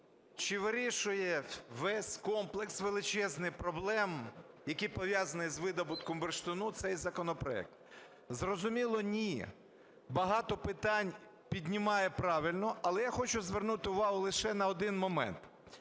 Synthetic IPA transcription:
t͡ʃɪʋɪɾʲiʃʊjɛʋɛsʲkɔmplˠeksʋelˠɪt͡ʃɛznɪjpɾɔblˠɛm | jɐkijpɔʋʲjazɐnɪzʋɪd̪ɔbʊt̪kɔmberʃt̪ɔnut̪sɛjzɐkɔnɔpɾɔɛ̰k̚t̪ | zrɔzʊmʲilˠɔnʲi | bɐɦɑt̪ɔpɪt̪ɑnʲ | pʲidʲnʲɪmɑjɛpɾɑʋɪlʲnɔɐlˠɛjaxɔt͡ʃʊzʋernut̪ɪʊʋɑɦʊlˠɪʃɛnɐɔd̪ɪnmɔmɛ̰nt̪

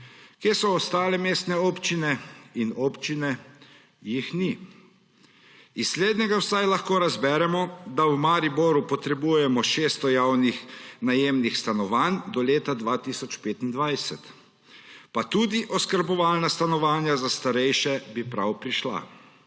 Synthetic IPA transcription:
kjeːsɔːst̪aːlɛmeːst̪nɛɔːpt͡ʃinɛinɔpt͡ʃinɛ | jixni | isːleːd̪nɛɡawsajlaxkoːɾazbɛːɾɛmɔd̪awmaːɾibɔɾupɔt̪ɾɛbujɛmɔʃeːst̪ɔjawnixnajemnixst̪anɔʋand̪ɔleːt̪ad̪ʋat̪isɔt͡ʃpeːt̪ind̪ʋajsɛt̪ | pat̪uːd̪iʔɔskəɾbɔʋaːlnast̪anɔʋaːnjazast̪aɾɛjʃɛbipɾawpɾiʃla̰

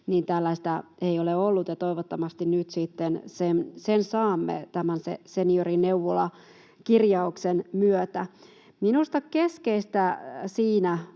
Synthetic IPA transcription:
niːnt̪ælːæst̪æeioleolːut̪jɑt̪oiʋot̪ːɑmɑst̪innyt̪sit̪ːensensensɑːmːḛt̪æmænsḛseniorineuʋolɑ | kirjɑuksenmyøt̪æ | minust̪ɑkkeskeist̪æsiːnæ

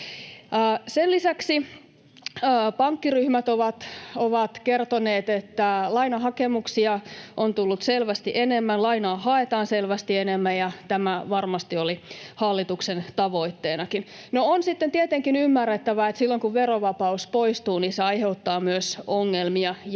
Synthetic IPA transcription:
selisæksi | pɑŋkːiryhmæt̪oʋɑt̪oʋɑt̪kert̪oneːt̪et̪ːælɑinɑɦɑkemuksiɑʔont̪ulːut̪selʋæst̪iʔenemːænlɑinɑːhɑet̪ɑːnselʋæst̪ienemːæjɑt̪æmæʋɑrmɑst̪iolihɑlːit̪uksent̪ɑʋo̞it̪ːeːnɑkin | noonsit̪ːent̪iet̪eŋkinymːærːet̪ːæʋæet̪silːoŋkuʋʋeroʋɑpɑuspoist̪uːniseɑjheut̪ːɑːmyøsoŋːelmiɑj

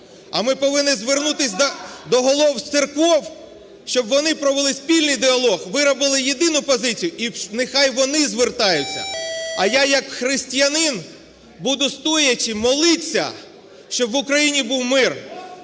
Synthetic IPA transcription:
ɐ̰mɪpɔʋɪnːɪzʋernut̪ɪsʲd̪d̪ɔɦɔlˠɔw̪t̪ɪrkʋɔw | ʃt͡ʃɔbʋɔnɪpɾɔʋelˠɪsʲpʲilʲnɪjd̪ɪɐlˠɔɣʋɪɾɔbɪlˠɪjed̪ɪnʊpɔzɪt͡sʲijʊʔinexɑjʋɔnɪzʋert̪ɑjʊt͡sʲːɐ̰ɐjajɐkxɾɪsʲtʲijɐnɪn | bud̪ʊst̪ɔjɐt͡ʃɪmɔlˠɪt͡sʲːɐ̰ | ʃt͡ʃɔbʋʊkɾɐjinʲibuwmɪr

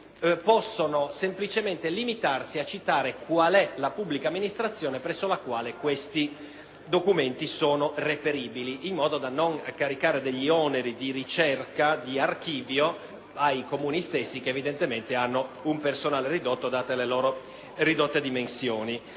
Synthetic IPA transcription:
pɔsːonosemplit͡ʃement̪elimit̪arsiat͡ʃːit̪aːɾekwalɛlapubːlikamːinist̪ɾat̪sːjoːnepɾɛsːolakwaːlekwest̪i | d̪okument̪isoːnorepeɾiːbiliʔːmːɔːd̪od̪anoŋkaɾikaːɾed̪eʎːiɔneɾid̪irit͡ʃɛrkad̪iark̟iːvjo | ajkomuːnist̪esːikeːvid̪ent̪ement̪eanːoumpersonaːlerid̪ot̪ːod̪aːt̪eleloːɾo | rid̪ot̪ːed̪imensjoːni

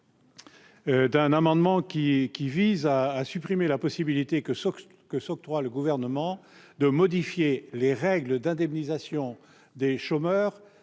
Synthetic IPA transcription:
d̪ɛ̃namɑ̃d̪mɑ̃kʲikʲivizaːsypχimelapɔsibilit̪ek | kəsɔk̚t̪χwaləɡuvɛʁnəmɑ̃ | d̪əmɔd̪ifjeleʁɛɡləd̪ɛ̃d̪ɛmnizasjɔ̃ | d̪eʃomœːʁ

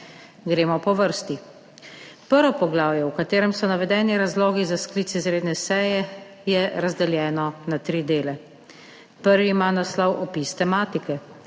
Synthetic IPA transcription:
ɡɾeːmɔpɔʋəɾst̪i | pəɾʋɔpɔɡlaːwjɛwkat̪eːɾɛmsɔnaʋɛd̪ɛːniɾazlɔːɡizaskliːt̪sizɾeːd̪nɛsɛjɛ | jɛɾazd̪ɛljɛːnɔnat̪ɾid̪eːlɛ | pəɾʋimanaslɔwʔɔpist̪ɛmaːt̪ikɛ

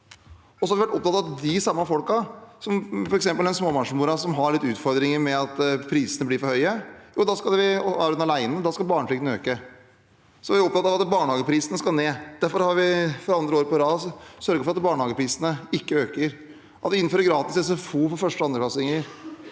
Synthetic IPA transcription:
ɔsɔhɑɾʋɪʋæʈːɔp̚t̪ɑt̪ːɑɑt̪d̪ɪsɑmːɑfɔlkɑsɔmfɔɾɛksɛmpəld̪ɛnsmoːmɑnʂəmuːɾɑsɔmɦɑɭɪt̪ːʉːt̪fɔɾd̪ɾɪŋəɾmɛɑt̪pʰɾiːsənəbliːɾfɔɾhœʏəjuːd̪ɑskɑld̪ɛʋɪɑ̰ːʋɾʉɑlæɪnəd̪ɑːskɑlbɑːɳəflɪɡənəø̰ːkə | sɔʋɪʋæɾɔp̚t̪ɑt̪ːɑʋɑt̪bɑːɳəhɑːɡəpʰɾiːsənəskɑneːd̪̥æɾfɔɾhɑɾʋɪfɔɾɑnd̪ɾəoːɾəpɔɾɑːssœɾɡəɾfɔɾɑt̪bɑːɳəhɑːɡəpʰɾiːsənəɪkːəøːkəɾ | ʔɑt̪ʋɪɪnføɾəɾɡɾɑːt̪ɪsɛsɛfuːfɔfœʂʈəɑnd̪ɾəlɑsɪŋəɾ

